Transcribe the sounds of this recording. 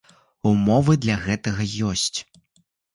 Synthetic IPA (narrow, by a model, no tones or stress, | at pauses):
umɔvɨd̪lʲɐɣɛt̪ɐɣɐjɔsʲt͡sʲ